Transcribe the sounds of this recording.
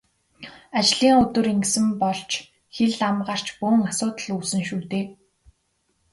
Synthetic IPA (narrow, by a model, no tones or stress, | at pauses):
at͡ɕɮiːŋɵt̪ɵ̆ɾeŋɡsɘ̆mpɔɮt͡ɕʰ | xeɮamɢaːr̥t͡ɕpuːŋasʊːt̪ə̆ɮuːsɘ̆ŋʃuːt̪eː